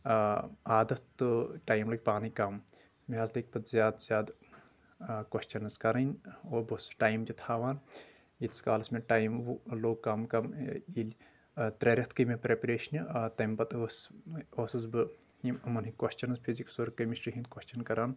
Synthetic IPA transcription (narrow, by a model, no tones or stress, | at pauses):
aːd̪ɐt̪ːɨʈaːjmlɐɡ̚ʲpaːnikɐm | meɦɐzlɐk̚ʲpɐt̪zʲjaːd̪z̥ʲjaːd̪ | kɐʃt͡ʃɐnɐskɐɾɐnʲoːbɨsʈaːjmt͡ʃit̪ʰaːʋaːn | it̪ska̰ːlɐsmeʈaːjmʋuloːɡ̚kɐmkɐmilʲ | t̪ɾʲeɾʲɐt̪kɨmepɾepɐɾeːʃnɨt̪ɐmbɐt̪ososɨzbɨ | imɨmɐnɦikɐʃt͡ʃɐnɐzpʰiziksuɾkɐmiʃʈɾiɦind̪koʃʲt͡ʃɐnkɐɾaːn